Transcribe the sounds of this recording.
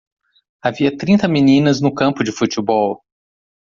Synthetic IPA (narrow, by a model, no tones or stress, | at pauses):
aviɐt̪ɾĩnt̪ɐminĩnɐznʊkɐ̃mpʊd͡ʒɪfut͡ʃɪbɔw